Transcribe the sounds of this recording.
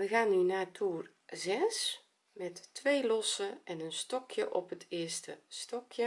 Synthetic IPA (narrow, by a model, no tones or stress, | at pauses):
ʋəɣaːnːynaːtʰuːr | zɛs | mɛtːʋejlɔsəʔɛnənstɔkʰjəʔɔpɦətɪːstəstɔkjə